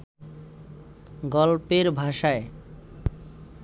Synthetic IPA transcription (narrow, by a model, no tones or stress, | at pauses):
ɡɔlpeɾbʱaʃae